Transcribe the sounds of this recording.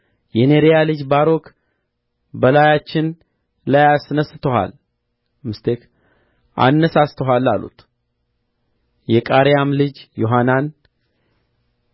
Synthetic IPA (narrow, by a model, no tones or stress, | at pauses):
jɛneɾejalɨd͡ʒbaɾo̞k | bəlajat͡ʃːɪn | lajasnəsːɨt̪ʰəɦa̰l | mɨst̪ʰek | ʔa̰nːəsast̪ʰəɦalːalṵt̪ʰ | jɛkʼaɾjamlɨd͡ʒjo̞ɦanan